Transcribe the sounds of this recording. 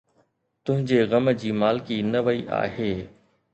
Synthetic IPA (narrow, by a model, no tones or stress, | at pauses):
t̪ʊ̃ɦɪ̃ɲd͡ʑeːɣɐmd͡ʑiːmaːlɪkinɐʋəiʔa̰ːɦeː